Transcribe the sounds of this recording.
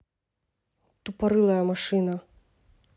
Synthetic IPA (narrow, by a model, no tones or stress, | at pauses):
t̪upaɾɨlˠɐjɐmaʂɨnɐ